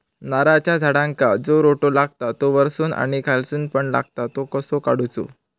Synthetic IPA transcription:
naɾat͡ɕjad͡zʱaɽãŋkad͡zoɾoʈolaɡ̚ʱt̪at̪oʋəɾsuːnʔa̰ɽ̃ikʰalsuːnpəɳla̰ɡ̚t̪at̪okəsokaɽ̤ut͡so̰

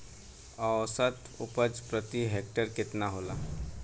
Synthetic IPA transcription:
əʋsət̪ | upət͡spɾət̪iɦek̚ʈəɾkɪt̪naɦola

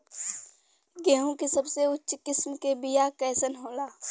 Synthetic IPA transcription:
ɡɛːɦõkisɐbseʊtːʃkɪsmkebɪjakɛːsənɦõːlaː

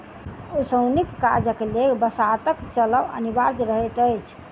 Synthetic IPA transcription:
usəwnikːaɾd͡ʒəkleɡbəsat̪əkt͡ʃələʋə̰nibaɾd̪ɾəɦəjt̪əjt͡ʃʰ

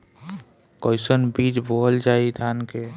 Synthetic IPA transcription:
kɔɪsənbid͡ʒbʱoɦəld͡ʒaid̪ʱanke

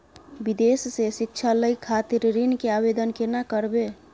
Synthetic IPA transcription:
bid̪essesikt͡ʃʰaləjkʰːat̪iɾɾinkeabed̪ənkenakəɾbe

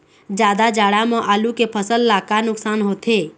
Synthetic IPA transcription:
d͡ʒjaːd̪ad͡ʒaːɽamə̃ʔaːlukepʰəsəlːaːkanʊksaːnɦoːt̪ʰeː

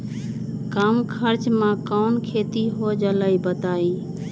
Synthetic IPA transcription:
kamkʰəɾt͡ʃmãkankʰet̪iɦod͡ʒələjbət̪ai

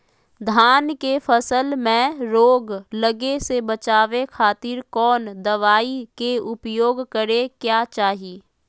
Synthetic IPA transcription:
d̪ʱaːnkefʰəsəlmẽɾoːɡləɡesebət͡ʃaːʋekʰaːt̪ɪɾkɔːnd̪ɐʋaːikeʊpjoːɡkəɾekjaːt͡ʃaːɦiː

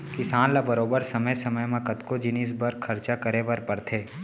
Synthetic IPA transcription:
kɪsaːnlabɐɾoːbəɾsɐməjsɐməjmãkɐt̪kod͡ʒɪnis̬bɐɾkʰɐɾt͡ʃakɐɾebɐɾpɐɾt̪ʰeː

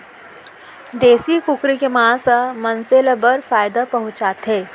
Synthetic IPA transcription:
d̪eːsikʊkɾekemãːsamɐnselɐbɐɾfaːjɪd̪apɐɦʊt͡ʃaːt̪ɦɛː

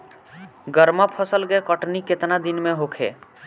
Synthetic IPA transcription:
ɡəɾmapʰəsəlɡɛkəʈniket̪nad̪inmẽɦokʰḛ

